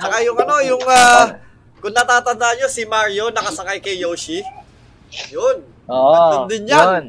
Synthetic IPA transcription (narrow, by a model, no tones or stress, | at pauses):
t͡ʃɐkajʊŋɐno̞jʊŋaː | kʊŋnɐt̪aːt̪ɐnd̪aʔɐɲo̞sɪmaɹjo̞nɐkɐsɐkajkɐjjowʃi | jon | oɐond̪ɪnja